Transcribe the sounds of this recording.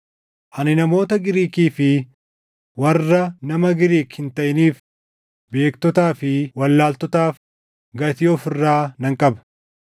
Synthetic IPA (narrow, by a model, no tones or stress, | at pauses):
ʔɐnɪnɐmo̞ːt̪ɐɡɪɾiːkiːfɪ | wɐrːɐnɐmɐɡɪɾiːkhɪnt̪ɐʔɪniːf | be̞ːkt̪ɔt̪aːfɪwɐlːaːlt̪ɔt̪aːf | ɡɐt̪ɪɔfɪrːaːnɐŋkʼɐbɐ̥